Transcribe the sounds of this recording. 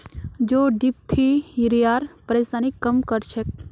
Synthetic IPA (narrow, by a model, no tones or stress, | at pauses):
d͡ʒoːɖip̚t̪ʰiɾijaːɾpəɾeːsaːnikːɐmkəɾt͡ʃʰek̚